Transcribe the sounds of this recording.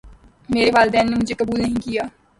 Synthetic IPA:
meːɾeʋaːld̪ɛːnːemʊd͡ʒʱekɐbuːlnɐɦĩkijaː

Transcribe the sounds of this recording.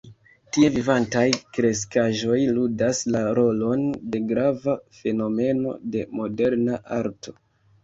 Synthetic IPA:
tievivantajkɾe̞s̬kaʒo̞jludaslaɾo̞lo̞nde̞ɡɾavafe̞no̞me̞no̞̰de̞mo̞de̞ɾnaʔaɾto̞̥

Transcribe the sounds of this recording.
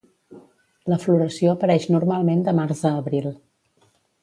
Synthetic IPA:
ləfluɾəsioəpəɾɛʃnuɾmalˠmend̪əmaɾzðəːβɾilˠ

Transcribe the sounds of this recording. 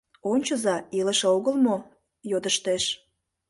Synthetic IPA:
onʲt͡ɕəzɑiləʃeoɣəlmo | jod̪əʃt̪eʃ

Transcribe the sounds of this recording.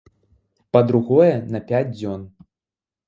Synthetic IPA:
pɐd̪ɾuɣɔjɛnɐpʲad͡zʲd͡zʲɔn

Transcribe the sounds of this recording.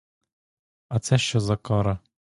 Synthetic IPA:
ɐt̪sɛʃt͡ʃɔzɐkɔɾɐ

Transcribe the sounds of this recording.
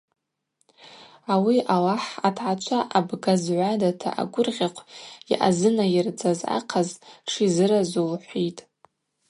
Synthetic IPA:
awiʔalaħatʰʕat͡ʃʷʰaʔabɡazʕʷadatʰa̰ʔa̰ɡʷʼʊrʁʲaqʷʰiʔa̰zɨnajɪrd͡zʼaza̰qʰazʈ͡ʂʰizɨɾazulħʷitʼ

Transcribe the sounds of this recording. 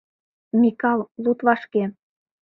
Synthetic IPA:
mikɑlˠlut̪βɑʃke

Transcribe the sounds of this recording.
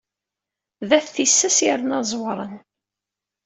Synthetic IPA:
ðæθθisːæsjɾnɑzˤwɾˤən

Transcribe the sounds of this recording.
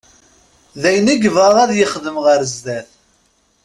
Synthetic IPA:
ðæjniɡəvʁɑðˤæðjəχðəmʁəɾzd̪æθ

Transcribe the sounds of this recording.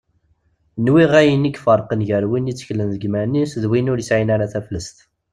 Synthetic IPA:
nwiʁæjənikfəɾˤqənʝəɾwinit͡sːə̥çlənðəɡmænisðwinʊɾjəsʕinaɾaθæfləst̪

